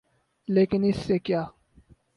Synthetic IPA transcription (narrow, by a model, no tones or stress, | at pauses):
leːkɪnɪsːekjaː